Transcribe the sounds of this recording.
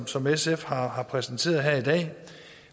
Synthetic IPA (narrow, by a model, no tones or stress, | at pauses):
sɒ̽mesefhɑ̈hɑ̈pʰʁɛsn̩t͡sʰe̝̰ːɐð̩ˠɦeɐ̰id̥ɛ̰ː